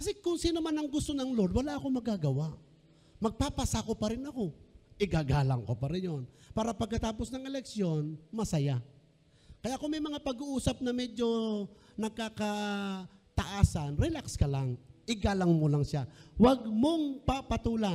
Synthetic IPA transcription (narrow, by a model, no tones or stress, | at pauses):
kɐsɛkʊŋsiːnomanɐŋɡʊst̪onɐŋlod̪wɐlaʔɐko̞mɐɡaɡɐwaʔ | mɐɡ̚papasakopɐɾɪnɐko̞ʔɪɡaɡaːlɐŋkopɐɾɪnjonpaːɾɐpɐɡ̚kːɐt̪aːposnɐŋɛlɛksjo̞nmɐsɐja | kɐjaʔkʊŋmɐjmɐŋapɐɡuʔuːsɐp̚nɐmɛd͡ʒo̞ | nɐkakɐ | t̪ɐʔaːsɐnɾɛlakskɐlaŋʔɪɡaːlɐŋmolɐŋʃawɐɡ̚moŋpapɐt̪uːla